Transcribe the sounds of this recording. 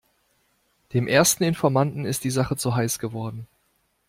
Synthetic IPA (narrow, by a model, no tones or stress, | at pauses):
d̥eːmʔeːɐstn̩ɪnfɔɐmantn̩ɪstd̥iːzaχət͡suɦaɪsɡ̥əvɔɐdn̩